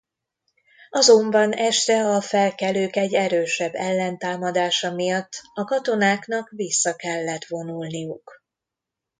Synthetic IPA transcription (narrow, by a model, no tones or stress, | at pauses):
ɒzo̞mbɒnɛʃt̪ɛɒfɛlkɛløːkɛɟːɛɾøːʃɛbːɛlːɛnt̪aːmɒd̪aːʃɒmijɒt̪ːɒkɒt̪o̞naːknɒkʋisːɒkɛlːɛt̪ʋo̞nulnijuk